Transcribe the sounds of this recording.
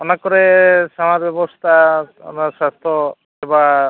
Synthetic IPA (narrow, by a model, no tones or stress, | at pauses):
ɔnakːɔɾesamaɾbjɔbɔst̪ʰaɔ̰naɾsast̪ʰɔ | seba